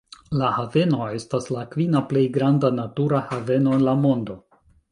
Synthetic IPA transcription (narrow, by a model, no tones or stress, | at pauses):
lahave̞no̞e̞staslakvinaple̞jɡɾandanatuɾahave̞no̞enlamo̞ndo̞